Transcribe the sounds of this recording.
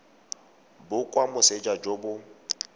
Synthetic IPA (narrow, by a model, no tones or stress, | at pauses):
bʊkʼwamʊsed͡ʒad͡ʒobʊ